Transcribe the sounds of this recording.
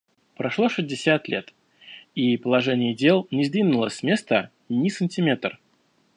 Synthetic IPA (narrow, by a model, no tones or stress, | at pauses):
pɾɐʂlˠo̞ʂɨzʲdʲɪsʲat̪lʲe̞t̪ | ipəlˠɐʐɛnʲɪjədʲelˠnʲɪzd̪vʲinʊlˠəsʲsmʲe̞st̪ə | nʲɪsənʲtʲɪmʲet̪r